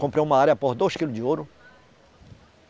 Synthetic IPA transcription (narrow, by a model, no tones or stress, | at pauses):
kõmpɾewũmɐaɾʲjɐpoɾd̪ojskilʊd͡ʒɪoɾʊ